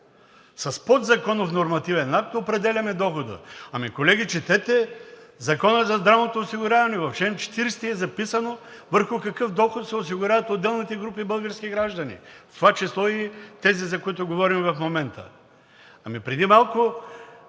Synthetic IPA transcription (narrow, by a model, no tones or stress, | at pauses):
sɐspɔd̪zɐkɔnofnoɾmɐt̪ivɛnak̚t̪opɾɛd̪ɛlʲɐmɛd̪ɔxod̪ə̰ɐmikolɛɡʲit͡ʃɛt̪ɛt̪ɛzɐkɔnəzɐzd̪ɾavnot̪oːsiɡʊɾʲavɐnɛvɐfʃɛnt͡ʃɛ̥t̪iɾɛst̪iɛzɐpisɐno | vəɾxʊkɐkɤfd̪ɔxot̪sɛos̬iɡʊɾʲavɐt̪od̪ːɛlˠnit̪ɛɡɾupibɤlˠɡəɾskʲiɡɾaʒd̪ɐnḭft̪ovat͡ʃislˠɔit̪ɛzizɐkoit̪ʊɡovɔɾimvɐfmomɛnt̪ə̰ | ɐmipɾɛd̪imalˠkʊ